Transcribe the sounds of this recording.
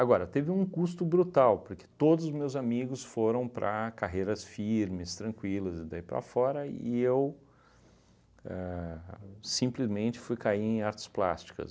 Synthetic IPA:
aɡɔɾɐt̪evɪũkust̪ʊbɾut̪awpoɾke̥t̪od̪ʊzʊmewzamiɡʊsfoɾɐ̃w̃pɾɐ̰kaɦejɾɐsfiɾmɪst̪ɾɐ̃kwilɐzɪd̪aipɾɐ̰fɔɾɐiew | ɛ | sĩmplɪzmẽnt͡ʃɪ̥fujkaiẽj̃aɾt͡ʃɪ̥spla̰st͡ʃi̥kɐ̰s

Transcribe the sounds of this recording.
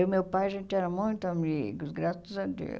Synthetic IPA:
ʊmewpajɐʒẽnt̪ɪɛɾɐmũj̪̃t̪ʊɐmikʊzɡɾasɐzɐd̪ḛw

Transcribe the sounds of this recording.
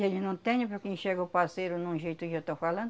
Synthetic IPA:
elɪnɐ̃w̃t̪ɛ̃ɲɐ̃pɾokẽj̃ʃeɡɐʊpasejɾʊnũʒejt̪ʊket̪owfalɐ̃nd̪

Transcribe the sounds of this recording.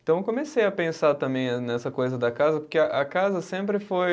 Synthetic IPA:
t̪ɐ̃w̃ewkõmesejɐpẽsaɾt̪ɐ̃mbẽj̃nɛsɐkojzɐd̪ɐkazɐpoɾkeɐʔɐkazɐsẽmpɾɪfoj

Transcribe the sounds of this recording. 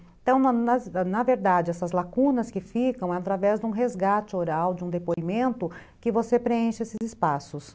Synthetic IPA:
ẽnt̪ɐ̃w̃nnɐznɐveɾd̪ad͡ʒɪɛsɐzlakũnɐskɪfikɐ̃w̃ɛat̪ɾavɛzd̪ũɦezɡat͡ʃɪoɾawd͡ʒɪũd̪epoimẽnt̪ʊ | kɪvosepɾeẽʃɪesɪzɪspasʊs

